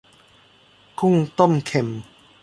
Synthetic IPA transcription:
kʰu˥˩ŋt̪o˥˩˨mkʰe˨˩m

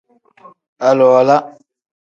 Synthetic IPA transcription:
a˨lo˨wa˨la˦

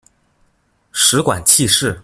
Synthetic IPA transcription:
ʂɻ̩˧˥kwa̰˨˩nt͡ɕʰi˥˧ʂɻ̩˥˩

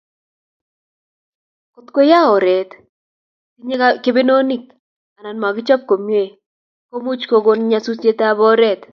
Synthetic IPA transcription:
kʊ˨tkwo˦ja˦ɔ˨ɾɛ˨t̪ | ki˦ɲe˦kke˦be˦no˦ni˦˨k̚ | a˨na˨nma˨ɡɪ˦t͡ʃɔ˦p̚ko˨mje˦˨ | ko˦mu˦t͡ʃko˦ɡo˦nɲa˨su˦se˦ta˦bɔ˦ɾɛ˦˨t

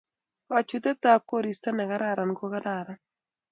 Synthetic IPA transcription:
wa˨t͡ʃu˨t̪ɛ˦t̪a˨ko˦ɾi˨st̪a˦nɛ˨ɡa˦ɾa˦˨ɾa˨nɡo˦ɣa˦ɾa˨ɾa˦

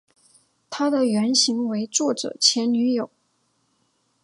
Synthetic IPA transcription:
t̪ʰa˥d̪ə˨ɥɛ˧˥nɕi˧˥ŋwe˧˥ɪt͡swɔ˥˩ʈ͡ʂɤ̰˨˩˦t͡ɕʰjɛ˧˥nny˧˥jo˨˩˦ʊ

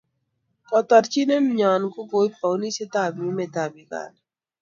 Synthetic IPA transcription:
tɔ˨t̪ɔ˨tt͡ʃi˦ne˦mɲɔ˨nkʊ˦bo˨˦pa˨o˦ni˦se˦ta˦˨bi˨u˦mɛ˨t̪a˨bi˨ka̰˨n

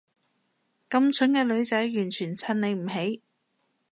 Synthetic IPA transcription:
kɐ˧mt͡sʰɵ˨˥nkɛː˧lɵ˨˧ɥt͡sɐ˨˥jjyː˨˩nt͡ʃʰyː˨˩nt͡sʰɐ˧nne˨˧jm̩˨˩ɦe˨˥j

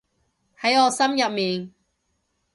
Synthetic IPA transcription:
hɐ˨˥jɔː˨˧sɐ˥mjɐ˨t̚miː˨n

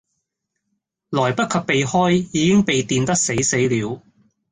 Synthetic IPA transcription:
lɔː˨˩jpɐ˥t̚kʰɐ˨p̚ːe˨jhɔː˥jːiː˨˧kɪ˥ŋpe˨jt̪iː˨˧nt̪ɐ˥k̚se˨˥jse˨˥jliː˨˧w

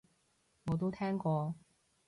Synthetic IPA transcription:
mɔ˨˥t̪u˦t̪ʰa˥nkwɔ˧˥

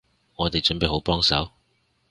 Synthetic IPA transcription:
ŋɔː˨˧t̪e˨jt͡ʃɵ˨˥npe˨jho˨˥wpɔː˥ŋsɐ̰˨˥w

